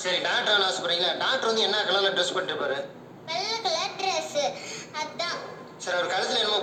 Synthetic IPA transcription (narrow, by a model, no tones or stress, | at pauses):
sɐɾiɖaːʈɾaːnaːsɯpːɐɾiːŋɡɐɖaːʈːɾʋɐnd̪ɯɛnːaːkɐlɐlɐɖɾɛspɐʈːɯpaːɾɯ | pɛlːɐkɐlɐɖɾɛsɐd̪ãː | sɐɾɐɐɾɯkɐlɐsɐlɛnɐmaː